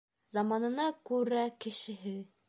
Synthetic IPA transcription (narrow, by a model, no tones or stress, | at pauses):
zɑmɑnɤ̆nɑkʉɾækɘ̆ʃɘ̆ɦɘ